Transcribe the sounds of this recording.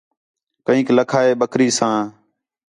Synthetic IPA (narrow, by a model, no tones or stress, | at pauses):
kəĩːkləkʰaːeːɓəkʰɾiːsãː